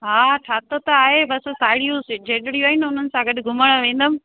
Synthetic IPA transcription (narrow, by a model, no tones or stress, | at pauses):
ɦaːʈʰaːt̪ot̪ɐaːɦebɐssaːɪɽijõsd͡ʑeːʈɪɽiuaːɦɪnʊn̤ənɪ̆sãɡɐɗɡʱʊməɽ̃əʋẽːn̆d̪əm̆